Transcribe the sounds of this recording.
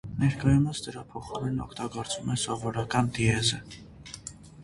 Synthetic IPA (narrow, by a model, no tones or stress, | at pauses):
nɛɾkɑjuməsd̪əɾɑpʰɔχɑɾɛnɔ̰kʰt̪ɑɡɔɾt͡svumɛsɔvɔɾɑkɑnd̪iɛzə